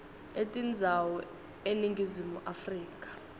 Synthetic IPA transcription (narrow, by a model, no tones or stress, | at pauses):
etʼind͡zʱawɔ | eniŋɡizimuʔafriːkʼḁ